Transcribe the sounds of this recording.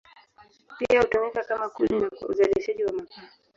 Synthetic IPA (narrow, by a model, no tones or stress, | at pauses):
piahutɔnɛkakamakuninaṵzaliʃaʄiwamakaː